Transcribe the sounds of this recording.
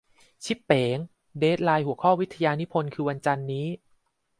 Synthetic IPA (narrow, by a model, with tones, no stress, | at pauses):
t͡ɕʰi˦˥pːeː˩˦ŋ | deː˦˥t̪̚laː˧jhu˩˦əkʰɔː˥˩wi˦˥t̪ʰːa˧jaː˧ni˦˥pʰo˧nkʰɯː˧wa˧nt͡ɕa˧nːiː˦˥